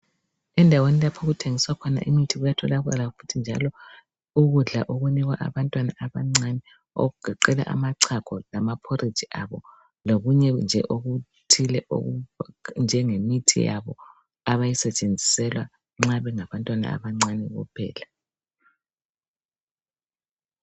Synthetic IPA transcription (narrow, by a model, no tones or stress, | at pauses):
ɛndʱawenilapʰoɣutʰeŋiswakʰɔna̰ʔimitʰiɣujatʰɔlaɣa̰lafu̥tʰind͡ʒʱa̰lɔ | uɣuɮa̰ʔoɣuniɣwa̰ʔa̰βantʼwana̰aβaŋ͡ǀanɛ | o̰ɣuɡ̥ʱaǃɛla̰ʔa̰maǀʰakʰɔlamapʰoɾʔi̥d͡ʒʱiʔaβɔ | loɣuɲɛnd͡ʒʱɛ̰ʔoɣu | tʰilɛʔo̰und͡ʒʱɛŋemitʰḭja̰βɔ̰ | aβajisɛt͡ʃʼend͡zʱi̥sɛlwa | ŋ͡ǁaβɛŋaβantʼwana̰a̰βaŋ͡ǀanɛɣṵpʰɛ̰ːla